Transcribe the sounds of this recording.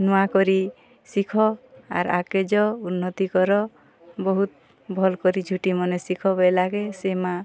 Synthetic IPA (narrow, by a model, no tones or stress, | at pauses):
nuakɔɾi | sikʰɔa̰ɾa̰ked͡ʒɔunːɔt̪ikɔɾɔ | bɔɦut̪̚ | bʱɔlkɔɾid͡ʒʱuʈimɔnesikʰɔbelaɡesema